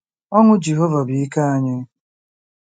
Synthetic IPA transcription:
ɔ˦ŋʷʊ˦d͡ʒi˨ɦɔ˦va˨bi˨i˦ka˦a˦ɲɪ˦

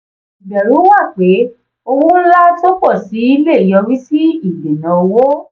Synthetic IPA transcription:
i˨ɡ͡bɛ˨ɾũ˨˦wa˦˨k͡pe˨˦ | o˧wũ˦la˦to˦k͡pɔ˦˨si˨˦i˦le˦˨jɔ˧ɾĩ˦si˦i˦˨be˨nã˨o˧wo˦

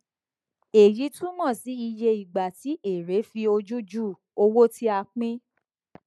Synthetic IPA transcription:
e˨ji˨˦tũ˦mɔ̃˦˨si˨˦i˧je˧i˨ɡ͡ba˨ti˨˦ʔe˨ɾe˨˦fi˧o˧d͡ʒu˦d͡ʒu˦˨ | o˧wo˦tʰi˦a˧k͡pĩ˦

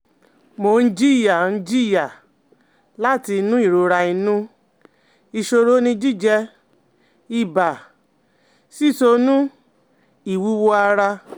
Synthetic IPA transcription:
mo˨˦n̩˦d͡ʒi˦˨ja˨n̩˦d͡ʒi˦˨ja˨ | la˦˨ti˧˦nũ˦i˦˨ɾo˧ɾa˧i˧nũ˦ | i˧ʃo˧ɾo˦nĩ˧d͡ʒi˦˨d͡ʒɛ˧ | i˧˨ba˨ | si˦˨so˧nũ˦ | i˨wu˦wo˧a˧ɾa˧

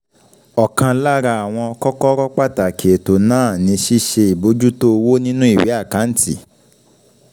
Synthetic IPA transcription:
ɔ˨kã˧la˦ɾa˧a˨w̃ɔ̃˧kɔ˦kɔ˦ɾɔ˦k͡pa˦˨ta˨kʰe˨to˨nãː˦˨nĩ˨˧˦ʃi˦ʃe˧i˨bo˨˦d͡ʒu˦to˦˧wo˦nĩ˦nũ˦i˦˨wi˨˦a˦˨ka˨˦n̩˦tḭ˨

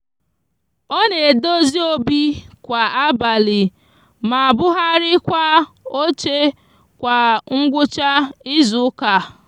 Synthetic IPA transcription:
ɔ˦ne˨e˨do˦zi˦o˦bi˦kʷa˨a˦ba˨lɪ˨ | ma˨a˨bʊ˦ɦa˦ɾɪ˦kʷa˦o˦t͡ʃe˦ | kʷa˨ŋ̩˦ɡʷʊ˦t͡ʃa˦ɪ˦zʊ˦ka˨

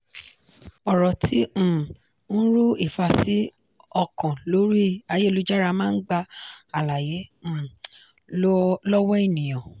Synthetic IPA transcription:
ɔ˨ɾɔ˨tʰĩ˨˦˨ | ñ̩˦ɾu˦i˦˨fa˧si˨˦ | ɔ˧kɔ̃˨lo˨˦ɾi˦˨a˧je˦˨lu˦d͡ʒa˦ɾa˧mãː˦n̩˦ɡ͡ba˧a˨la˨jẽ˨˦˨ | lɔ˦wɔ˦i˦˨nĩ˨j̃ã˨

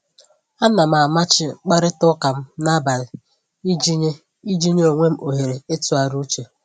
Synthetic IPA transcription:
a˦na˨m̩˦a˨ma˦t͡ʃɪ˦k͡pa˦ɾɪ˦tʊ˦ka˨m̩˦na˦ba˨ɾɪ˨˦ | i˦d͡ʒi˦ɲe˦o˨ŋʷe˦m̩˦ʔo˨ɦe˨ɾe˨e˦tu˨˦a˨ɾu˦t͡ʃe˨

